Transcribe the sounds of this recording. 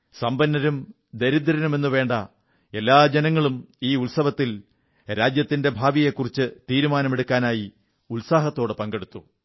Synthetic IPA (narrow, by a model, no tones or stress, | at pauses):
sɐmbɐnːɐɾum | d̪eɾid̪ːɐɾɐnɐme̞nːuʋe̞ːɳɖɐ | e̞lːaːd͡ʑenɐŋːɐɭumiːulsɐʋɐt̪ːil | ɾaːd͡ʑjɐt̪ːinde̞bʱaːʋije̞kːurit͡ɕːɨt̪iːɾumaːnɐme̞ɽukːaːnaːji | ulsaːɦɐt̪ːo̞ːɽɨpɐŋɡe̞ɽut̪ːu